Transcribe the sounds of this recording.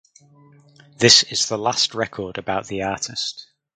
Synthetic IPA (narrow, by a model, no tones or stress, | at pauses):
ðɪsɪz̥ðəlastɹɛkʰɔːdəbaʊʔðiɑˑtʰɪst